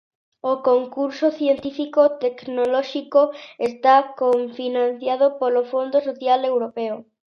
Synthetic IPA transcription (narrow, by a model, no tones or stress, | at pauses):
okoŋkuɾsoθjent̪ifikot̪eknolɔʃikoest̪akoɱfinãn̟θjaðopolofond̪osoθjalewɾopeo